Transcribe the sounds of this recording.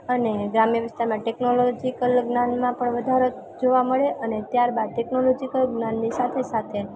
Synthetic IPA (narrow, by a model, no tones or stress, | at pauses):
əneɡɾamjəʋɪst̪aɾmãʈeknolod͡ʒikəlɡnãnmãpəɳʋəd̪ʱaɾo | d͡ʒoʋaməɭeʔənet̪jaɾbad̪̚ʈeknolod͡ʒikəlɡnanːisat̪ʰesat̪ʰe